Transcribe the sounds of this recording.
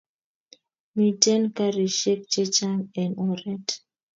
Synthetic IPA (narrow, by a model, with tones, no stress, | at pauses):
mi˨tɛ˦nka˦ɾi˨ʃɛ˦k̚t͡ʃɛt͡ʃa˦ŋɛ̃˨nɔɾɛ˦t